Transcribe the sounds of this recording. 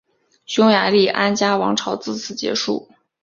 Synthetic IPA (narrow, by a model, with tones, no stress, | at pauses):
ɕʊ˥ŋja˧˥li˥˩ʔa˥nt͡ɕja˥wɑ˧˥ŋʈ͡ʂʰɑ˧˥ʊt͡sɹ̩˥˩t͡sʰɹ̩˨˩t͡ɕjɛ̰˧˥ʂṵ˥˩